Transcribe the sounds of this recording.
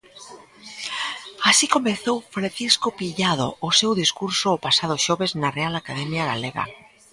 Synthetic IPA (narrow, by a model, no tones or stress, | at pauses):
asikomẽnθowfɾanθiskopiʎað̞oːsewðiskuɾsoːpasað̞oʃoβeznarealakaðɛmjaɣaleɣa̰